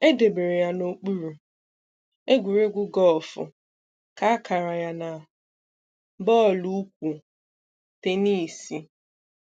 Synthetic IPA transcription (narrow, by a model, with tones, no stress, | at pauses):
e˦de˨be˨ɾe˨ja˨no˨k͡pu˦ɾu˨ | e˦ɡʷu˨ɾe˦ɡʷʊ˦ɡɔ˦lfʊ̰˨ | ka˨a˦kʰa˨ɾa˨ja˦na˨ | bɔː˦˨lu˦kʷu˨ | te˨ni˦˨si˦